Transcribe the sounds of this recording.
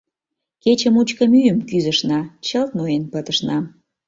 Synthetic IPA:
ket͡ɕə̆mut͡ɕkəmyjəmkyzə̆ʃnɑt͡ɕəlt̪̚nojenpət̪əʃnɑ

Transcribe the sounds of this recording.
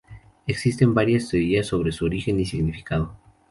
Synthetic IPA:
e̞ksist̪e̞mbaɾjast̪eoɾiasːo̞β̞ɾe̞suoɾixe̞nisiɣnifi̥kaðo

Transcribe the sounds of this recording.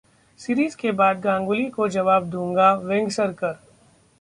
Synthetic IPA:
siɾiːzkebaːd̪ɡãːŋɡʊlikod͡ʒɐʋaːbd̪ũːŋɡaʋɛ̃ŋɡsəɾkɐɾ

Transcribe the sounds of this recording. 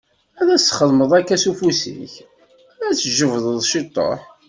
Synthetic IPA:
æðæsχəðˤməðˤækːæsufusḭç | æt͡sːʒəvðˤəðˤʃit̪ˤːo̰ħ

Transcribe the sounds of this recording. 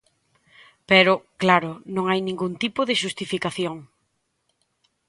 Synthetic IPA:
pɛɾʊklaɾʊnõŋajnĩŋɡunt̪ipʊðɪʃust̪ifikaθjoŋ

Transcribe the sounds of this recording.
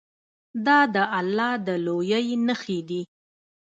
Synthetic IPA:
d̪ɑd̪əʔalːɑd̪əlojəjnəxid̪i

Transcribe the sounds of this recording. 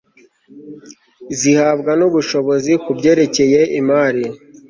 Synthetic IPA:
zihaːbɡanuβuʃo̞βo̞zikubɟe̞ːɾe̞ce̞je̞ʔimaːɾi

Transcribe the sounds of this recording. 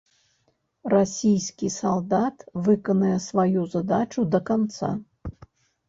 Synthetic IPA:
rasʲijsʲkʲisalˠd̪at̪vɨkɐnɐjɛsvajuzad̪at͡ʂud̪ɐkant̪sa̰

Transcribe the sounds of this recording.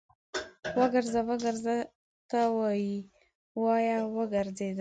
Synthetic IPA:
wəɡəɾzawəɡəɾza | t̪awɑji | wɑjɑwəɡəɾzed̪ə

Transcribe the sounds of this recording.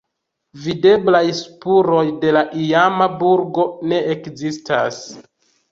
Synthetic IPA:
vide̞blajspuɾo̞jde̞laʔiamabuɾɡo̞ne̞ekzista̰s

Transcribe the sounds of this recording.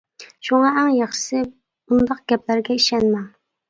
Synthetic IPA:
ʃuŋɑæŋjɑχʃɨ̥sɨ | und̪ɑq̚ɡʲɛplæɾɡʲɛiʃɛnmɛŋ

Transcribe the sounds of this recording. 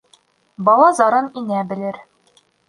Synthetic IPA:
bɒlˠɑzɒɾɤninæbɘ̆lɘɾ

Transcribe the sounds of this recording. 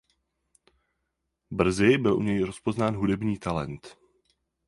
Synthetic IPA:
br̩zɪbɪlʔṵɲɛjɾo̞spo̞znaːnɦudɛbɲiːt̪alɛ̰nt̪

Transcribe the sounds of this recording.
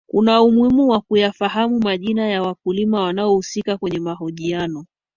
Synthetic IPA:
kunaumwimuwakujafaɦamumaʄinajawakulimawanaɔhusikakwɛɲɛmaɦɔʄianɔ

